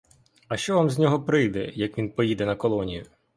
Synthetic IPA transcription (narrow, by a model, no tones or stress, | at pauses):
ɐʃt͡ʃɔʋamzʲnʲɔɦɔpɾɪjd̪ɛ̰jɐkʋʲinpɔjid̪ɛnɐkɔlˠɔnʲijʊ